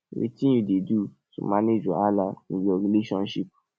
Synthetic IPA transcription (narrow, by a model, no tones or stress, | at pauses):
wḭtĩjudedu | so̰mãned͡ʒɔalanĩd͡ʒɔɾileʃɔ̃nʃip̚